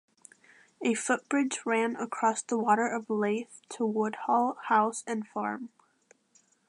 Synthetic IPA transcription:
ɨfʊt̚b̥ɹɪd͡ʒɹæ̃nəkʰɹ̥ɔsðəwɔɾə˞ʔʌvleɪθtʰəwʊd̥̚hɔlˠhaʊsɨ̃nfɑɹm

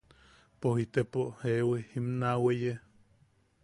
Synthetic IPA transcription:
pohit̪epoʔhewehimnaweʔje

